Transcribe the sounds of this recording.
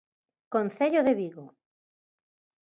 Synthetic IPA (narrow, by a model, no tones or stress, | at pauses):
konθeʎoðeβiɣo